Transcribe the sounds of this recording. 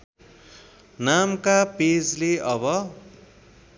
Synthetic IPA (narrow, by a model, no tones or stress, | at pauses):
namkaped͡zleʌbʌ